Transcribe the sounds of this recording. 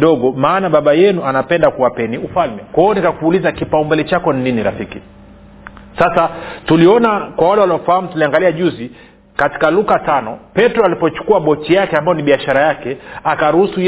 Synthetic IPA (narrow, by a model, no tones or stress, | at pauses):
ɗɔɠɔmaːnaɓaɓajɛnuanapɛndakuwapɛniufalmɛkwaɔnikakuːlizakipaumbɛlɛt͡ʃakɔnininiɾa̰fiki | sasatuliɔnakwawalɛwaliɔfaham̩tuliaŋɡaliaʄuzi | kati̥kalukatanɔ̰pɛtɾɔalipɔt͡ʃu̥kuaɓɔt͡ʃijakɛambajɔniɓiaʃaɾajakɛakaɾuhusuj